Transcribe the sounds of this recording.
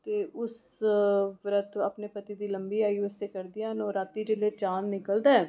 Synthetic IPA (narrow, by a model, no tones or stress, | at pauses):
t̪eːʔʊs | ʋɾət̪ʰapneːpət̪iːd̪iːləmbiːaːiːəst̪eːkəɾd̪ɪijaːɦnoːɾaːt̪ːiːd͡ʒəleːt͡ʃaːnːɪkəld̪aːɛː